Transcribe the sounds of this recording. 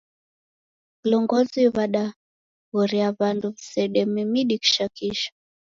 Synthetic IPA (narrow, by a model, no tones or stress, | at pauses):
kilɔŋɡɔziβaɗa | ɣɔɾiaβanduβisɛɗɛmimiɗiki̥ʃakiʃḁ